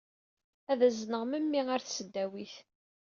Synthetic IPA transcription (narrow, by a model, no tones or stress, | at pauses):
æðæznəʁməmːiaɾθsəd̪ːæwiθ